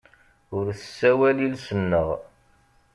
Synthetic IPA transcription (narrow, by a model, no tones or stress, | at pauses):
ʊɾθsːæwælilsənːəʁ